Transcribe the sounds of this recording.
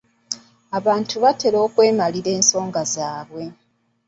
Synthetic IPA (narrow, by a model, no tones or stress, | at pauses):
aβaːntuβate̞ɾo̞ːkwe̞ːmaliɾe̞ːnso̞ːŋɡazaːβwe̞